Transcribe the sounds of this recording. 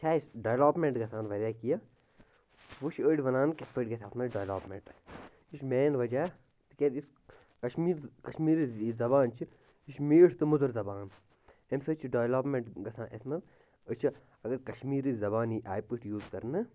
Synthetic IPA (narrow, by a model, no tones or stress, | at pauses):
t͡ʃʰaːsɖɐʋlaːpmẽɳʈɡɐsʰaːnʋɐɾʲaːkija | ʋuʃʰəːɖʲiʋɐnaːnkefʰəʈɡɐt̪ʰʲaːsmɐɖɐʋlaːpmḛɳʈ | iʃmeːnʋɐd͡ʒaː | t̪ɨkʲeːd̪is | kɐʃmiːɾkɐʃmiːɾizɐbaːnt͡ʃʰi | iʃmiːʈʰt̪ɨmʊd̪ɐɾzɐbaːn | emsɐt͡ʃʰiɖɐʋlaːpmeɳʈɡɐsʰaːnʔḛsmɐt̪ | ət͡ʃʰi | ɐɡɐɾkɐʃmiːɾizɐbaːniʔaːjpiʈjuːzkɐɾnɨ